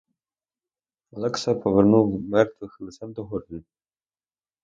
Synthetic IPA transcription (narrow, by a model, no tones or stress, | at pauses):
ɐlˠɛksɐpɔʋernuwmɛrt̪ʋɪxlˠɪsɛnd̪ɔɦɔrnʲi